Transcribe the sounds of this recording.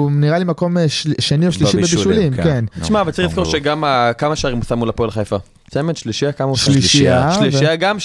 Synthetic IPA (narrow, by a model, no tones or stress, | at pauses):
niʁalimako̞meʃʃenioʃliʃibeʃbiʃulimkentiʃmaavalt͡sailiz̥sko̞ʁʃeɡamakamaʃaʁimusamulapolaχajfa | t͡sementʃliʃiakamaʃliʃiaʃlivaɡam